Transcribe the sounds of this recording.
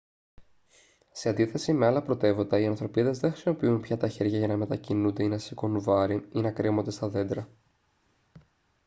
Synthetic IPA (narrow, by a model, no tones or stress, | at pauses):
se̞ɐnd̪iθe̞sime̞ɐlɐpɾo̞t̪e̞vo̞t̪ɐiɐnθɾo̞piðe̞zðeŋxɾi̥simo̞piunpçɐt̪ɐçe̞ɾʝɐʝɐnɐme̞t̪ɐcinund̪e̞inɐsiko̞nuvɐɾiinɐkɾemo̞nd̪e̞st̪ɐðe̞nd̪ɾɐ